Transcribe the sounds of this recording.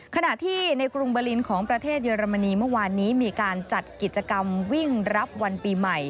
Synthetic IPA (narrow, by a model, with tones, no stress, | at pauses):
kʰa˧na˨˩ʔt̪ʰiː˥˩na˧jkɾu˧ŋbɤː˧li˧nkʰɔː˩˦ŋpɾa˧t̪ʰeː˥˩t̪̚jəː˧ɾa˧ma˧niː˧mɯ˥˩ɐwaː˧nːiː˦˥miː˧kaː˧nt͡ɕa˨˩t̪̚ki˨˩t̪̚t͡ɕːa˧ka˧mwi˥˩ŋɾa˦˥p̚wa˧npiː˧ma˨˩j